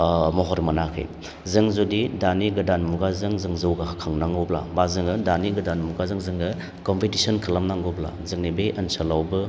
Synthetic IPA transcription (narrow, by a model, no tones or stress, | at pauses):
mɔɦɔɾmɐnakʰḭj | zɯŋzodidaniɡɯdanmuɡazɯŋzɯŋzɯwɡahakʰaŋnaŋobla̰mazɯŋɯdaniɡɯdanmuɡazɯŋzɯŋɡɯ | kompitisɔnkʰɐlamnaŋɡobla̰zɯŋnibeʔɐnsalawbɯ